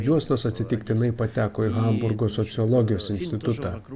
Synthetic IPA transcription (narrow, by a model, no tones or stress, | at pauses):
juɔst̪oːsɐt̪ʲsʲɪt̪ʲɪkt̪ʲɪnɐɪpɐt̪ʲæːkoːiɣɐmbʊɾɡoːsɔt̪sʲɪɔlˠɔɡʲɪjoːsɪnʲsʲt̪ʲɪt̪ʊt̪ɑ